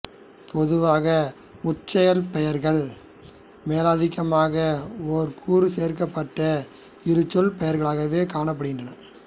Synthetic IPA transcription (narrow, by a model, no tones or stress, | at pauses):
pʰɔðɯʋaːɣɐ | mʊt͡ʃːɐjɐlpɛjɐɾɣɐɭ | meːlaːðɪɣɐmaːɣɐɔɾkʰuːɾɯseːɾkɐpːɐʈːɐ | ɪɾɯt͡ʃːɔlpɛjɐɾɣɐɭaːɣɐʋeːkaːɳɐp̬ːɐɽɯɣɪndrɐnɐ